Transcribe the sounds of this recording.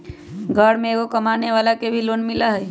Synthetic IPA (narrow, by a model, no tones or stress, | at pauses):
ɡʱəɽmẽɡokəmaneʋalakebʱiloːnmɪlaɦɛj